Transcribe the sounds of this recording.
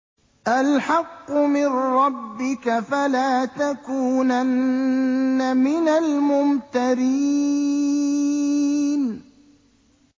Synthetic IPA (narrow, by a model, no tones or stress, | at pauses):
ʔalħɑqːʊmɪnɾɑbːɪkafalaːt̪akuːnanː | amɪnalmʊmt̪aɾiː | n